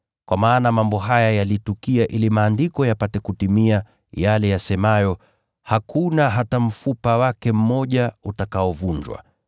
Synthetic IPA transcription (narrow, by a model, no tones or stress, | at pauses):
kwʔamaːnamambɔɦajajalitukiaʔilimaːndikɔjapatɛkutimia | jalɛjasɛmajɔ | hakʰunaɦatam̩fupawakɛm̩mɔʄautakaɔvuɲd͡ʒwa̰